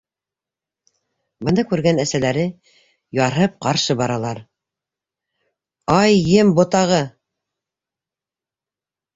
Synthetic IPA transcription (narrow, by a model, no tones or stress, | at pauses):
bɤ̆nɤkʉɾɡænæsælæɾɘ | jɑɾɦɤp̚qɑɾʃɤbɑɾɑlˠɑɾ | ɑjːɘmbŏt̪ɑʁɤ